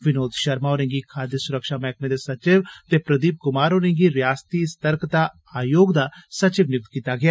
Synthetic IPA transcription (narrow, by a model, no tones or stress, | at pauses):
ʋɪnoːd̪ʃəɾmaːɦoːɾẽːŋɡiːkʰaːd̪əsʊɾəkʃaːmɛːknẽːd̪eːsət͡ʃɪʋt̪eːpɾəd̪iːp̚kʊmaːɾɦoːɾẽːŋɡiːɾɪjaːst̪iːst̪əɾkt̪aː | aːjoːɡd̪aːsət͡ʃɪʋnɪʊk̚t̪̚kiːt̪aːɡɪaː